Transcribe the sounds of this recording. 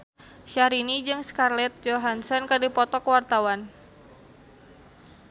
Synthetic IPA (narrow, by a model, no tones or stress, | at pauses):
ʃaɾinid͡ʒɨŋskarlɛt̪̚d͡ʒoɦansɔnkədipɔt̪ɔkəwart̪awan